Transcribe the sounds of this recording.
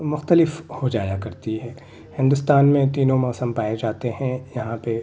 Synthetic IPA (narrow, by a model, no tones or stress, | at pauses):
mʊxt̪əlɪfhod͡ʒaːjakɐɾt̪iɦɛː | hɪ̃nd̪ʊst̪aːnmẽt̪iːnõmɔːsə̃mpaːed͡ʒaːt̪eɦɛ̃jɐɦãpe